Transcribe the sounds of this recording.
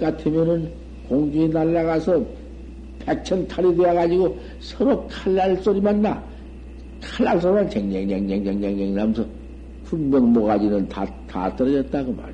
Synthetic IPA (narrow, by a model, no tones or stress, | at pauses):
k͈atʰɯmjʌnɯn | koŋd͡ʑuenaɭːaɣasʰʌ | pek̚t͡ɕʰʌntʰaɾideaɣad͡ʑiɡo | sʰʌɾokʰaɭːaɭs͈oɾimanːa | kʰaɭːaɭs͈oɾmant͡ɕeŋɲeŋɲaŋd͡ʑeŋɲaŋɲaŋɲeŋnamsʰʌ | kʰunmjʌŋmoɣad͡ʑinɯntata̰t͈ʌɾʌd͡ʑʌt̚t͈aɡoma̰ɾ